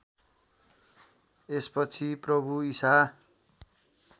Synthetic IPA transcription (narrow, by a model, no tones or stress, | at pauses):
espʌt͡sʰiprʌbuisa